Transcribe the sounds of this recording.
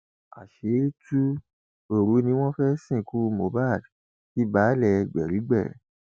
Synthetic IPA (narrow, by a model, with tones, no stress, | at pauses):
a̰˨ʃe˨˦i˦tu˦ | o˦˨ɾu˨˦nĩ˧˦w̃ɔ̃˦fɛ˦sĩ˦˨ku˦˧mo˨˦ba˦˨d | ki˦ba˨˦lɛ˧˨ɡ͡bɛ˨ɾi˨˦ɡ͡bɛ˦˨